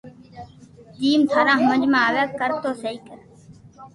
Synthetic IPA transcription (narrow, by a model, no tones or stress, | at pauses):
d̪iːmt̪ʰaːɾãːɦməd͡ʒmãːaːʋeːkkəɾt̪oːsəiːkəɾ